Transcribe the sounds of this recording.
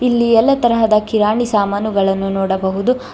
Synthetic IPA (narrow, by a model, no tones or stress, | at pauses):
ilːiɛlːɐt̪ɐɾɐɦɐd̪ɐkiɾaːɳisaːmaːnuɡɐɭɐnːunɔːɽɐbɐɦud̪u